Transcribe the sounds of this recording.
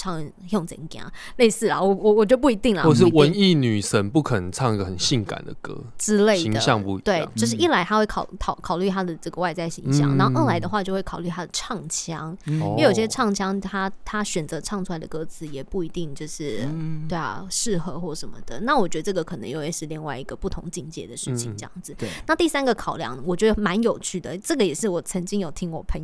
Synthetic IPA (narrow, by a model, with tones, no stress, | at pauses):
ʈ͡ʂʰɑ˥˩ŋ | jo˥˩ŋt͡sə̰˧˩i˥˩kja̰˨˩n˨˩˨le˥˧ɪsɹ̩˥˩lɐ˩wɔ˨˩wɔ˨wɔ˨˩t͡ɕp̬u˥˩i˧˥t̪i˥˩ŋlə̰˨wʂɻ̩˥˧˩wə˧˦ni˥˩ny˨˩ʂə˦˥npu˥˩kʰə˨nə˨˦t͡sʰɑ˥˧ŋi˦ɡə˨˩xə˨˩nɕi˥˩ŋka̰˨˩nd̪ə̰˦kɤ̰˦˥ʈ͡ʂɻ̩˥le˥˩ɪ˧d̪ə̰˩ɕjɑ˥˧ŋpu˧t̪we˥˩ɪt͡ɕjo˥˧ʊʂ̬ɻ̩˥˩i˥˩la˧˥ɪt̪ʰa˥xwe˥˩ɪkʰɑ˨˩ʊkʰɑ˨˩ʊkʰɑ˨˩ʊly˥˩t̪ʰa˦˥d̪ə˨ʈ͡ʂɤ˥˩ɡə˩wa˥˧ɪt͡sa˥˩ɪɕḭ˧˥ŋɕjɑ̰˨˦ŋna˨˦˥o˥˩˥ʔə˥˩la˨˧ɪd̪ə˧xwa˥˧t͡ɕjo˥˧ʊwe˥˩kʰɑ˨˩ly˥˩t̪ʰa˥d̪ə˨ʈ͡ʂʰɑ˥˩ŋt͡ɕʰjɑ˥ŋjo˧jo˨˩i˥˩ɕjɛ˥ʈ͡ʂʰɑ˥˩ŋt͡ɕʰjɑ˥ŋt̪ʰa˥t̪ʰa˥ɕɥɛ˨˩nt͡sɤ˧˦˥ʈ͡ʂʰɑ˥˧ŋʈ͡ʂʰu˥la˧˥ɪdə˨kɤ˧˥t͡sʰɹ̩˧˥jɛ˨˩pu˥˩i˧˥t̪i˥˧ŋt͡ɕjo˥˧ʊʂɻ̩˥˩t̪we˥˩a̰˩ʂɻ̩˥˧xɤ˧˦xwɔ˥˩ʂə˧˥nmə̰˨˩d̪ə̰˩na˥˩wɔ˨˩t͡ɕɥɛ˧˥d̪ə˧ʈ͡ʂɤ˥˩ɡə˩kʰɤ˨˩nə̰˧ŋjo˥˧ʊjɛ˨˥˩ʂɻ̩˥˧li˧ŋwa˥˩ɪi˧˥ɡə˨pu˥˩t̪ʰʊ̰˧˥ŋt͡ɕi˥˩ŋt͡ɕjɛ̰˧˥d̪ə˨ʂɻ̩˥˩t͡ɕʰḭ˨ŋʈ͡ʂɤ˥˧jɑ̰˥˩ŋd͡zɹ̩˩na˥˧t̪i˥˩sa˥nɡə˨kʰɑ˨˩ʊljɑ̰˥˩ŋwɔ˨˩t͡ɕɥɛ˧˥də˧˩ma˧˦njo˨˩ʊt͡ɕʰy˥˩d̪ə˩ʈ͡ʂɤ˥˩ɡə˩jɛ˨˩ʂɻ̩˥˩wɔ˨˩t͡sʰə˧˥ŋt͡ɕi˥ŋjo˨˩ʊt̪ʰi˧˥ŋwɔ˨˩pʰə˧˦n